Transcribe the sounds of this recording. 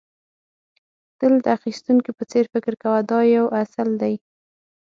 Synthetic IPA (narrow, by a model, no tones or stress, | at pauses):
t̪əld̪əaxist̪uŋkipət͡seɾfɪkɾkawad̪ɑjawʔasald̪aj